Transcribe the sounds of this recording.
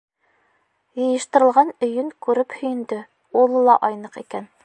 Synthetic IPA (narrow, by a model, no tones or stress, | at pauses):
jɤ̆jɤ̆ʃt̪ɤ̆ɾɤ̆lˠʁɑnɵ̆jɵŋkʉɾɘphɵ̆jɘ̆nd̪ɵ | ulˠɤlˠɑ̰ʔɑjnɤqikæn